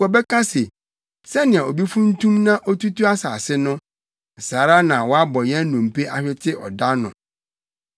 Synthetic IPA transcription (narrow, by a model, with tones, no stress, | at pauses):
ɔ˨bɛ˦kʰa˦se˨ | sɛ˦nɪ̃˨a˨o˨bi˦fũ˦n̩˦tʰũ˦mnã˦ʔɔ˦tu˦tu˦a˦saː˨sɪ˦nʊ̃˦˨ | saː˨ɾa˦nã˨wɔ˦a˦bɔ˨jɛ̃˦nũ˨m̩˨pʰe˦ʔa˨ɕᶣɪ˦tʰɪ˦ʔɔ̰˨da˦nʊ̃˨